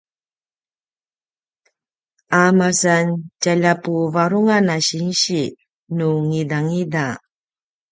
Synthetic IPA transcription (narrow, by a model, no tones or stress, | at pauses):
amasancaʎapuvaɾuŋanaɕinɕi | nuŋidaŋida